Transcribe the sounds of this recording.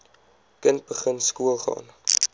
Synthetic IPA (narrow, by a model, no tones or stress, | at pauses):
kənt̚bəχənskuəlˠχɑ̰ːn